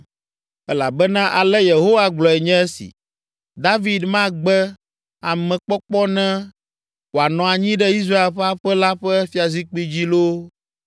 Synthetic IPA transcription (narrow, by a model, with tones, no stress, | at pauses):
ɛ˦la̰˨bɛ˦nã˦ʔa˨lɛ˦je˨ɦo˦wa˨ɡ͡blɔ˨ɛ˨ɲɛ̃˦ɛ˦sḭ˨ | d̪a˦vi˦d̪mã˦ɡ͡bɛ˦ | a˨mɛ̃˨k͡pɔ˦k͡pɔ˦nɛ̃˦ | wo˨a˨nɔ̃˨a˨ɲĩ˦ɖɛ˦i˦s̬ɾa˦e˨lɸɛ˦a˦ɸɛ˦la˦ɸɛ˦fi˦a˨zi˦k͡pi˦d͡ʑi˦lo˦